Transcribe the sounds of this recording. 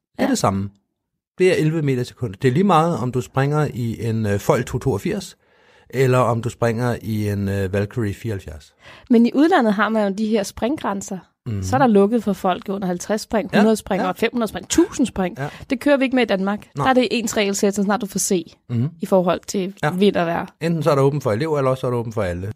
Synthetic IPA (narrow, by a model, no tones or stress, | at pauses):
d̥e̝ɐɐd̥e̝sɑ̈mə | b̥e̝ɐelʋəme̝̰ːd̥ɐse̥kʰɔ̽n̰d̥ɐd̥e̝ɐliːmɑ̈ːð̞̩ˠɒ̽md̥usb̥ʁaŋ̰ɐiʔe̝nfɒl̰ɡ̥̚t͡sʰot͡sʰo̝ːɐfiɐ̰s | elɐɒ̽md̥usb̥ʁaŋ̰ɐʔienøʋælkʰoʁifiːɐhælfjæɐs | meniʔuð̞ˠlæn̰ð̩ˠɦɑ̈mænjod̥iɦeɐ̰sb̥ʁaŋɡ̥ʁansɐ | ssɒ̽æɐɾ̥ɑ̈lɔ̽ɡ̥əð̞̩ˠfɒ̽fɒ̽l̰ɡ̥iɔ̽n̰ɐhælt͡sʰʁasːb̥ʁaŋ̰hunɐðˠsb̥ʁaŋɒfem̰hunɐðˠsb̥aŋt͡sʰṵːsn̩sb̥ʁaŋ̰d̥e̝kʰøːɐʋie̝ɡ̥əmeid̥ænmɑ̈ːɡ̥d̥ɑæɐɾ̥e̝ʔe̝̰ːnsʁɛ̰ɪlse̥sɒs̬nɑ̈ːd̥ufɒse̝̰ː | ifɒːɦɒ̽l̰t͡sʰe̝ʋe̝n̰ɐʋæɐ̰end̥n̩sɒɐɾeɔ̽ːb̥n̩fɒ̽e̝le̝ʊ̰ɐelɐɒsːɐɾ̥ɪɔ̽ːbn̩fɒ̽ælə